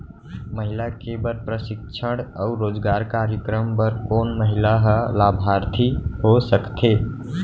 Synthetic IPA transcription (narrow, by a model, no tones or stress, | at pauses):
məɦilakebəɾpɾəsɪk̚t͡ʃʰəɽaʊɾoːd͡ʒɡaɾkaɾjəkɾəmpəɾkoːnməɦilaɦəlabʱaɾt̪ʰihosəkt̪ʰe